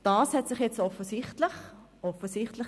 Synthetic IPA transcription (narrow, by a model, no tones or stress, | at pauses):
d̥ɑːshɛtsɪχjɛt͡stɔfəsɪχtlɪχ | ɔfəsɪχtlɪχ